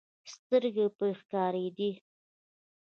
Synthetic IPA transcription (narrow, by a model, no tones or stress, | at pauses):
st̪əɾɡepəxkɑɾed̪i